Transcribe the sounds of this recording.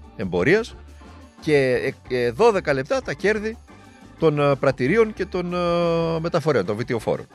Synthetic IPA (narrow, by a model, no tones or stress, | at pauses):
e̞mbo̞ɾiɐs | ce̞ | ðo̞ðe̞kɐle̞p̚t̪ɐt̪ɐce̞ɾði | t̪o̞npɾɐt̪iɾio̞nce̞t̪o̞nme̞t̪ɐfo̞ɾe̞o̞nt̪ovit̪eo̞fo̞̰ɾo̞̰n